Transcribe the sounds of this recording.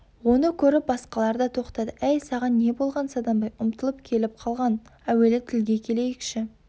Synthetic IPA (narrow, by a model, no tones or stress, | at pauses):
wo̞nəkʲʰɵɾɪp̚bɑsqɑlˠɑɾd̪ɑt̪ʰo̞qt̪ɑd̪əæjsɑʁɑnːe̞bo̞lˠʁɑnsɑd̪ɑmbɑjʊmt̪əlˠəp̚kʲʰe̞lɪp̚qʰɑlˠʁɑnæwe̞lɪt̪ʰɪlɡʲe̞kʲʰe̞le̞jɪkʃɪ